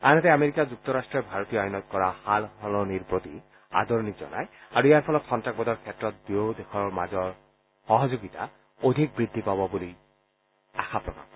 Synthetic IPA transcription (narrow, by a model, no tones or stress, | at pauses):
anɛt̪ɛameɹikazuk̚t̪ɔɹastɹɛbʱaɹot̪ijɔɔjnɔt̪̚kɔɹahalhɔlɔniɹpɹot̪i | a̰d̪ɔɹnikzɔ̰na̰jaɹuijaɹpʰɔlɔt̪xɔntak̚bɔdɔɹkʰɛtːɹɔt̪̚biod̪exʰɔɹma̰zɔɹ | xɔɦɔzoɡit̪a̰ | od̪ʱik̚bɹid̪ʱːipabɔbuli | a̰xʰapɹɔ̰ka̰m